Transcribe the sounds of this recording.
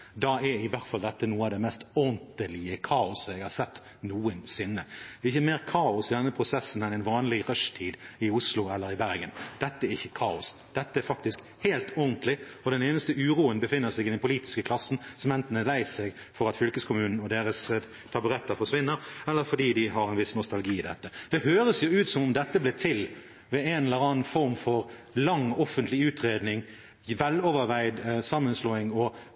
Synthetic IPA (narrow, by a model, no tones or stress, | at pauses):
d̪ɑɛɾɪʋæʁt̪fɑld̪ɛt̪ːənuːəɑd̪ɛmɛst̪ɔnt̪əlɪəkʰɑːʊsɛɪɡhɑːɾsɛt̪ː | nuːənsɪnːəd̪ɛːɾɪçəmeːʁkʰɑːʊsɪd̪ɛnːəpʰʁʊsɛsːn̩ɛnɛɪnʋɑːnlɪɾœʂt̪ʰiːd̪ɪʊslʊɛlːəɾɪbæɾɡənd̪̥ɛt̪ːəæɾɪçːə̥kʰɑːʊsd̪̥ɛt̪ːəæɾfɑk̚t̪ɪsk | heːlt̪ɔʁnt̪ʰlɪ | ɔd̪ɛneːnəst̪əʉːɾuːənbəfɪnːəʁsɛɡɪd̪ɛnpʰʊliːt̪ɪ̥skəkʰlɑsːn̩sɔmɛnt̪ənəlæɪsɛɡ | fɔɾɑt̪fʏlkəskʰʊmʉːnn̩ɔd̪eːɾəs | t̪ʰɑbʉɾɛt̪ːəfɔʁʂʋɪnːəɾɛlːəɾfɔd̪iːd̪ɪɦɑɾɛnʋɪsnʊst̪ɑlɡiːɪd̪ɛ̰t̪ːəd̪̥ɛhøːɾəsjʊʉːt̪sɔmʊmd̪ɛt̪ːəblɛːt̪ʰɪl | ʋɛɛnɛləɾɑːnfɔɾmfɔʁlɑŋɔfːənt̪lɪʉːt̪ɾeːd̪nɪŋ | ʋɛlɔːʋəɾʋæɪd̪sɑmːənsloːɪŋɔ